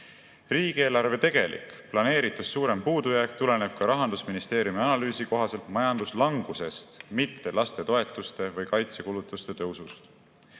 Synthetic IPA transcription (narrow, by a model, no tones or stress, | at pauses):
riːɡieːlɑɾve̞t̪e̞ɡ̥e̞lʔḭkˑplɑne̞ːɾit̪ːˑussuːɾe̞mpuːd̪ujæek̚t̪ule̞ne̞b̥̚kɑɾɑɦɑnd̪usminist̪e̞ːɾjumiɑnɑlyːsiko̞ɦɑse̞lt̪mɑjɑnd̪uslɑŋɡ̥use̞st̪mit̪ːe̞lɑst̪e̞t̪o̞e̞t̪ːˑust̪e̞vɤjkɑjt̪se̞kulut̪ːˑust̪e̞t̪ø̞wsust̪